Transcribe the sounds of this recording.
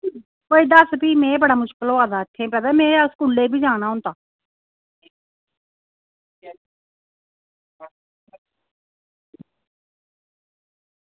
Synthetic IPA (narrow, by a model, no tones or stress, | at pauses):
poːid̪əsbiːmɛ̃ːbəɽaːmʊʃkəloːaːd̪aːɪt̪ʰːẽːpɛːd̪amɛ̃ːskuːleːbiːd͡ʒaːɽ̃aːɦʊ̃nt̪aː